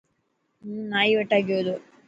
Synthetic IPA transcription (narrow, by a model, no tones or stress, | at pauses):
naːjiʋɐʈːaːɡijod̪u